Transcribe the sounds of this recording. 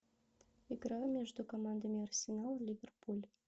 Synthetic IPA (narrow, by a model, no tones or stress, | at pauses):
iɡɾɑmʲeʒd̪ukomɑnd̪əmʲiɐrsʲenɑlˠlʲivʲerpulʲ